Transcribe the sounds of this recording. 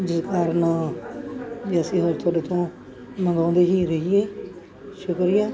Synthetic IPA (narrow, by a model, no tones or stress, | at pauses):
d͡ʒɪskaːɾən | d͡ʒiəsĩːɦoɾt̪ʰʊaːɖeːt̪õː | məŋɡãːnd̪eːɦiːɾəɦieː | ʃʊkɾijaː